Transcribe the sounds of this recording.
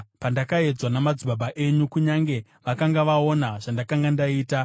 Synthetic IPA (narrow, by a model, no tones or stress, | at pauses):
pandakae̞d͡zwanamad͡zibabʱaʔe̞ɲukuɲaŋɡe̞ | ʋakaŋɡaʋao̞naʐ̥andakaŋɡandaiːta